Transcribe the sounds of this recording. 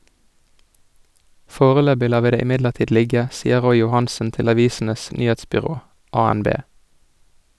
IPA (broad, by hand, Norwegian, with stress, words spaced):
ˈfoːʁəˌløːbɪ ˈlɑː ˈʋiː ˈdeː ˌɪˈmɪdləʁˌtiːd ˈlɪɡə ˈsiːə ˈʁɔʏ jʊˈhɑnsən ˈtɪl ɑˈʋiːsn̩əs ˈnyːheːtspʏˌʁoː ʔɑːænˈbeː